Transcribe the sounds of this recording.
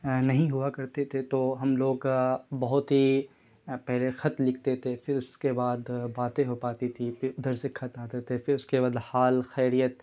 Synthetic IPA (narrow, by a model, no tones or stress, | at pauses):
nɐɦĩɦʊakɐɾt̪et̪ʰet̪oːɦɐmloːɡbɐɦʊt̪ɦi | pɛɦlexɐt̪lɪkʰt̪et̪ʰefɪɾʊskebaːd̪baːt̪ẽɦopaːt̪it̪ʰifɪɾʊd̪əɾsekʰɐt̪aːt̪et̪ʰefɪɾʊskebad̪haːlxɛːɾijət̪